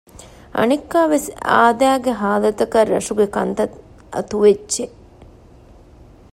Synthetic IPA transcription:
ɐ̰nikːaːʋesa̰ːd̪æːɡeɦaːd̪ɐt̪ɐkɐrːɐ̰ʂuɡekɐnt̪ɐt̪ | ɐ̰t̪uʋed͡ʒt͡ʃːe

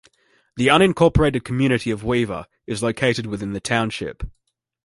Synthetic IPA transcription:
ðiʌ̃ñɪ̃nkʰɔˑpə˞eɪɾɨd̚kʰəmjʉːnɨɾiəvwivə̰ | ɪzləʊkʰeɪɾɨd̚wɪðɪ̃nðɨtʰãʊ̃nʃɪ̰p

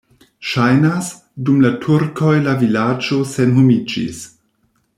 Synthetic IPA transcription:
ʃajnas | dumlatʰuɾko̞jlavilad͡ʒo̞senɦumid͡ʒḭs

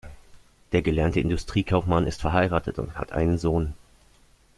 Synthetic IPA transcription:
d̥eːɐɡəlɛɐntəɪndʊstʁ̥iːkʰaʊfmanɪstfɛɐɦaɪʁaːtʰətʊ̰ntha̰tʔa̰ɪnənzoːn

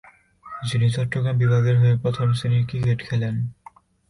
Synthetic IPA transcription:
d͡ʑinit͡ɕɔʈːoɡɾambibʱaɡeɾɦoepɾot̪ʰomsinikɾikeʈkʰɛlen

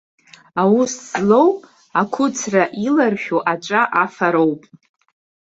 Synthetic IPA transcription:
awuszlo̞w | akʷʰʊt͡sʰraʔilarħᶣuʔat͡ʃʷʼaʔafaɾowpʼ

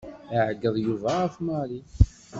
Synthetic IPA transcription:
iʕɡːəðˤjuvæʁəfmɑɾi

